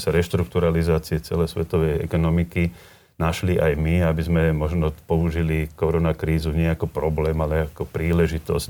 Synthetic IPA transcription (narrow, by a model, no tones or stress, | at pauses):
saɾɛʃt̪ɾukt̪uɾalizaːt͡siɛt͡sɛ̰lɛjsʋɛt̪ɔʋɛjɛ̰kɔnɔmiki | naʃliʔajmiabizmɛmɔʒnɔpɔuʒilikɔɾɔnakɾiːzuɲɪɛakɔpɾɔblɛːmalɛakɔpɾiːlɛʒit̪ɔ̰s